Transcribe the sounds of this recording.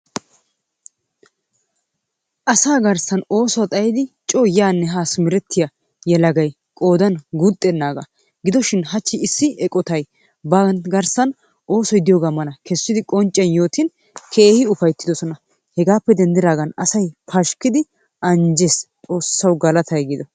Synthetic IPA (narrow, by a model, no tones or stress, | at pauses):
ʔɐsaːɡɐɾsɐno̞ːsɔwɐt̪ʼɐjɪd̪ɪt͡ʃʼoːjaːnːɛɦaːsmɪɾɛt̪ʰːɪja | jɛlɐɡɐj | kʼo̞ːd̪ɐnɡʊt̪ʼːɛnːaːɡɐ̰ | ɡɪd̪ɔʃɪnɦɐt͡ʃːɪɪsːɪɛkʼɔt̪ɐj | bɐnt̪ɡɐɾsɐn | ʔo̞ːsɔjd̪ɪjoːɡaːmɐlɐkʰɛsːɪd̪ɪkʼɔnt͡ʃʼːɐnjo̞ːt̪ɪn | kʰe̞ːhɪʊfɐjt̪ːɪd̪ɔsɔnɐ | hɛɡaːpːɛd̪ɛnd̪ɪɾaːɡɐnɐsɐjpʰɐʃkɪd̪ɪ | ʔɐnd͡ʒest͡sʼo̞ːsːɐwɡɐlɐt̪ʰɐjɡɪd̪ɔ